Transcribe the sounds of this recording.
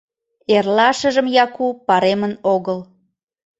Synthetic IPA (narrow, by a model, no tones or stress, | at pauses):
erlɑʃəʒəmjɑkupɑɾemənoɣəl